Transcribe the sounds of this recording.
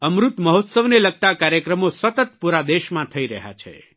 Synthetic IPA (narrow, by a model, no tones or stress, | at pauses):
əmɾut̪məɦot̪səʋneləɡ̚t̪akaɾjəkɾəmosət̪ət̪̚puɾad̪eʃmãt̪ʰəiɾəɦa̰t͡ʃʰḛ